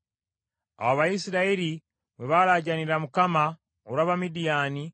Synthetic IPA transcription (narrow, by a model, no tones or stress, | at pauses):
a̰waβaisiɾaeɾi | βweβalaɟaniɾamukama | oɾwaːβamidijaːni